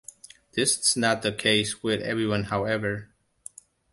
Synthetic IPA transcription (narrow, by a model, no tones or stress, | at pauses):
ðɪsɪz̥nət̪̚ðəkʰeɪswɪðɛ̰vɹiwʌ̃nhaʊɛvə˞